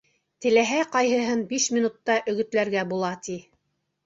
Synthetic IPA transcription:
t̪ɘ̆læɦæqɑjhɤ̆ɦɤnbiʃmʲinut̪ːɑʔɵ̆ɣɵ̆t̪læɾɡæbulˠɑt̪i

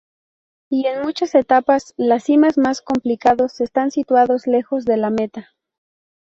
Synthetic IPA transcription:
ie̞nmut͡ʃase̞t̪apaslasːimazmasko̞mplikaðo̞se̞st̪ansit̪waðo̞zle̞xo̞zðe̞lame̞t̪a

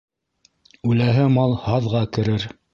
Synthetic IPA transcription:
ʉlæɦɘmɑlˠhɑðʁɑkɘ̆ɾɘɾ

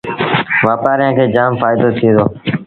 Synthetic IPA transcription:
ʋaːpaːɾɪjãːkʰeːd͡ʒaːmfaːɪd̪oːt̪ʰĩːd̪oː

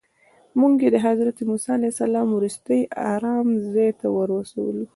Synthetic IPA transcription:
muŋɡjed̪əɦazɾat̪emusɑalajsalɑmwɾust̪əjʔa̰ɾɑmzɑjt̪awəɾwəsa̰wəlu

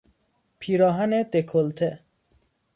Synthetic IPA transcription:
pʰiːɾɒːɦæned̪ekʰolt̪ʰe

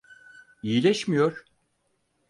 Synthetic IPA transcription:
ijilʲɛʃmijo̞ɾ̥

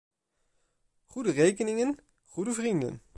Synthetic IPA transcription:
χudərejkənɪŋən | χudəvrində̰n

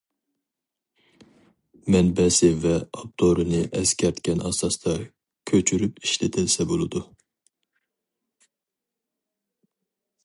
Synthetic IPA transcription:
mɛnbɛsɪvɛɑp̚t̪ʰoɾɨnɨʔɛskʲʰɛɾt̪kʲʰɛnɑsɑst̪ʰɑ | kʲʰøt͡ʃʰyɾypiʃlɪt̪ʰɪlsɛbolˠɨd̪u

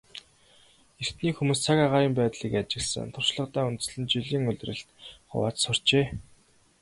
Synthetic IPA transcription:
er̥t̪niːkxumuːst͡sʰakaʁaːɾiːmpæːt̪ɮiːkat͡ɕɪ̆ɮsə̰̆nt̪ʰʊr̥ʃɮə̆qt̪æːunt̪̆sɮɘ̆nt͡ɕiɮiːŋɵɮ̆ʲrɘ̆ɬt̪χʊ̰wa̰ːt͡ɕsʊr̥t͡ɕeː

